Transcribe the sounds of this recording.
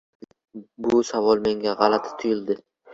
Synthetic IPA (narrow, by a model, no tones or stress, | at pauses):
bʊsavɒlˠme̞ŋɡʲaʁɑlat̪ʰɪ̥t̪ʰʊjɪld̪ɪ